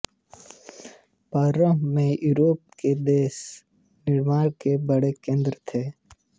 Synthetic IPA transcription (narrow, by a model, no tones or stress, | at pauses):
paːɾəmmẽjuːɾoːp̚ked̪eːs | nɪɾmaːɾkebəɽekẽːnd̪ɾt̪ʰeː